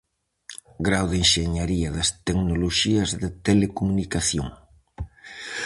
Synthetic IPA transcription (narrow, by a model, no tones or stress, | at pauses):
ɡɾawðenʃeɲaɾiɐðɐst̪eknoloʃiɐzðɪt̪elekomunikaθjo̰ŋ